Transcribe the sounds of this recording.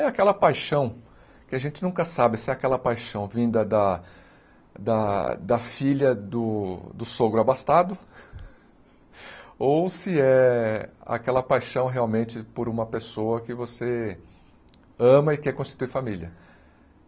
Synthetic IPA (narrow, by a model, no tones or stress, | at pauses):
ɛakɛlɐpajʃɐ̃w̃ | kɪaʒẽnt͡ʃɪnũkɐsabɪsɪɛakɛlɐpajʃɐ̃w̃vĩnd̪ɐd̪ɐ | d̪ɐd̪ɐfiʎɐd̪ʊd̪ʊsoɡɾʊabast̪ad̪ʊ | owsɪɛ | a̰kɛlɐpajʃɐ̃w̃ɦeawmẽnt͡ʃɪpoɾũmɐpesoɐkɪvose | ɐ̃mɐɪkɛɾkõsʃt͡ʃi̥t̪uiɾfamiljɐ